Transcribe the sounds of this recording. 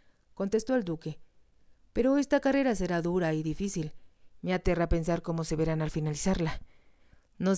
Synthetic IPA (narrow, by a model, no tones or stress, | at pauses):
ko̞nt̪e̞st̪o̞eld̪uke̞ | pe̞ɾo̞e̞st̪akare̞ɾase̞ɾaðuɾaiðifisilmeat̪e̞rape̞nsaɾko̞mo̞se̞βe̞ɾanalfinalisaɾla | no